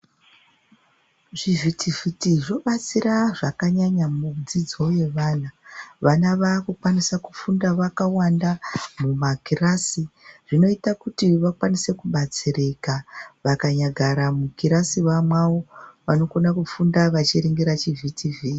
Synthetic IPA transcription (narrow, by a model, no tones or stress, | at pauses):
ʐivitivitiʐo̞ɓat͡siraʐakaɲaɲamud͡zid͡zo̞je̞ʋaːnaʋanaʋakukwanisakufundaʋakawandamumakirasiʐ̥ino̞itakutiʋakwanise̞kuɓat͡sirekaʋakaɲaɡʱaɾamukiɾasiʋamwawo̞ʋano̞konakufundaʋat͡ʃiɾiŋɡiɾat͡ʃivitʰivii